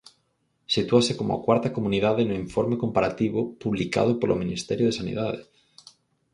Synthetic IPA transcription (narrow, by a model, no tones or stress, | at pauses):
sit̪uasekomoa̰kwaɾt̪akomũniðaðenuiɱfoɾmekompaɾat̪iβopuβlika̰ð̞opolʔomĩnist̪eɾjoð̞esanḭð̞að̞e